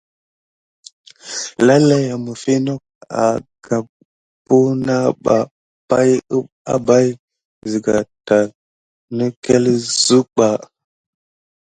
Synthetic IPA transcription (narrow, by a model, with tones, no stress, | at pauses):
la˦la˦ja˨mə˨fi˦no˦k̚a̰˨ɡ̥a˨ | pu˦na˦ɓa̰˨ | pa˦jə˦ | a̰˦ba˦j | zi˨ɡa˨ta˨ | nə˦ke˦lzu˦ɓa˨